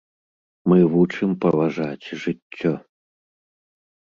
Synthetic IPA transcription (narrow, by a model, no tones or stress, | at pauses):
mɨvut͡ʂɨmpɐvaʐat͡sʲʐɨt͡sʲːɔ